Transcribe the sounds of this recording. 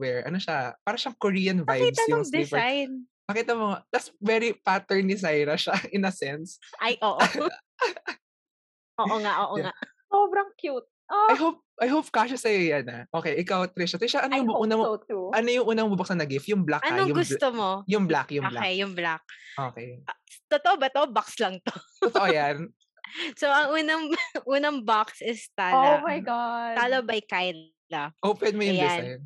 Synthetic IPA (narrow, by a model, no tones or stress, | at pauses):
wɛɹʔɐnoʃapaːɾɐʃɐŋkoɹiːɐnvajibsɐnjʊŋd̪ipɛajn | pɐkiːt̪ɐmod̪ɐt̪svɛɾipat̪ɛɹnɪs̬ajɾɐʃaʔɪnɐsɛnsʔajʔoːʔ | ʔoːʔoŋaʔoːʔoŋaʔ | soːbɾɐŋkjut̪̚ʔoajɦop̚ʔɐjɦowp̚kaʃasɐjojanɐʔokɛjʔɪkawt̪ɾɛʃat̪ɾɛʃaʔɐnojʊŋuːnɐmʔɐnojʊŋʔuːnɐmbubɐksɐnɐɡift̪jʊŋblakʔɐnoŋjʊɡʊst̪omojʊŋblakjʊʔoːblakejjʊŋblak̚ʔoːkejt̪ot̪oʔobɐt̪oʔobakslɐŋt̪ot̪ɔt̪ɔʔojan | soʔɐŋʔuːnɐŋʔuːnɐŋbaksʔɪst̪aːomajɡad̪aːlobɐjkajn | lɐʔopwɛd̪mojʊŋj̪ɪazajn